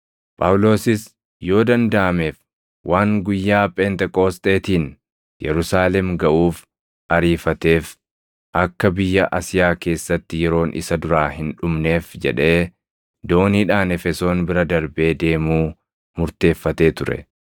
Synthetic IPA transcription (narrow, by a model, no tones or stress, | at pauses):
pʼɐwʊlo̞ːsɪs | jo̞ːd̪ɐnd̪ɐʔɐme̞ːf | wʔaːŋɡʊjːaːpʼeːnt̪ɛkʼo̞ːst̪ʼe̞ːt̪iːn | jɛɾʊsaːlɛmɡɐʔuːf | ɐɾiːfɐt̪e̞ːf | ʔɐkːɐbɪjːɐʔɐsɪjaːke̞ːsːɐt̪ːɪjɛɾo̞ːnʔɪ̰sɐd̪ʊɾaːhɪnᶑʊmne̞ːfd͡ʒɛ̰ᶑe̞ː | d̪o̞ːniːᶑaːnɛfɛso̞ːnbɪɾɐd̪ɐɾbe̞ːd̪e̞ːmuː | mʊɾt̪e̞ːfːɐt̪e̞ːt̪ʊɾɛ̰